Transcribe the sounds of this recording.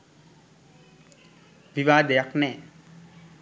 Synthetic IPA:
ʋiʋaːd̪ɛjaknɛ

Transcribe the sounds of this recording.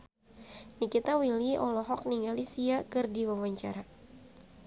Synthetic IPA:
nikit̪awiliɔ̰lɔɦɔk̚niŋalisiakɨrdiwawaɲt͡ʃaɾa

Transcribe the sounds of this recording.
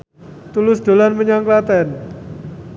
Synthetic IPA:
t̪ulʊsd̪̥o̤lanməɲaŋklat̪ɛn

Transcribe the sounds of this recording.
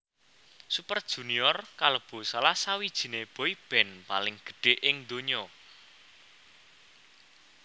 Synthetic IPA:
supərd̥ʒ̥ṳniɔrkaləb̥o̤salasawid̥ʒ̥i̤neb̥o̤ib̥ɛ̤npalɪŋɡ̥ə̤̥ɖ̥e̤ʔɪŋd̪oɲɔ

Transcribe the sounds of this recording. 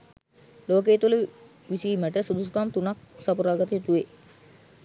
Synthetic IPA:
loːk̬eːt̪ulə | ʋisiːməʈəsud̪uskamt̪unak̚sapuɾaːɡat̪əjit̪uʋe

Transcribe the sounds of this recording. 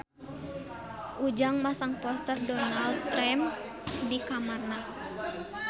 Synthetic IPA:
ʔud͡ʒaŋmasaŋpɔst̪ərdɔnald̪ɾɛm | dikamarna

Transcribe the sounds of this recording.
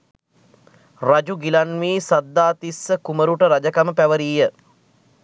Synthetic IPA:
rad͡ʒuɡilanʋiːsad̪ːaːt̪isːəkuməɾuʈəɾad͡ʒəkaməpæʋəɾiːjə

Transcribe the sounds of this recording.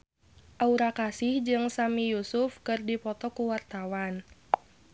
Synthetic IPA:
ʔauɾakasɪhd͡ʒɨŋsamijusufkɨrdipɔt̪ɔkuwart̪awan

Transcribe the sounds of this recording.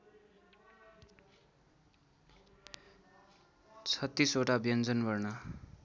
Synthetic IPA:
t͡sʰʌt̪ːisoʈabjʌnd͡zʌnbʌrnʌ

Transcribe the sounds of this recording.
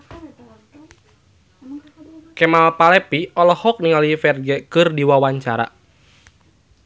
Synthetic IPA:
kɛmapalɛpiɔlɔhɔk̚niŋalifɛrɡɛkɨrdiwawaɲt͡ʃaɾa̰

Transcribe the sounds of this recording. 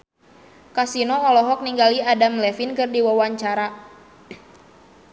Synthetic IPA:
kasinɔːlɔɦɔk̚niŋɡaliadamlɛfinkɨrdiwawaɲt͡ʃaɾa

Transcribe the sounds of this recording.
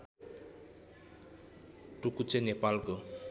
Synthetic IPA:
ʈukut͡ʃenepalko

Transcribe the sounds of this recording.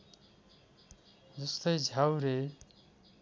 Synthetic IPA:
d͡zʌst̪ʌjd͡zʱawɾe

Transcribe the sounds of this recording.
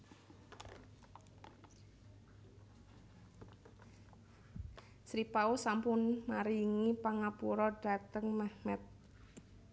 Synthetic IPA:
sɾipausampʊnmaɾiŋipaŋapuɾɔɖ̥a̤t̪əŋmahmɛt̪̚

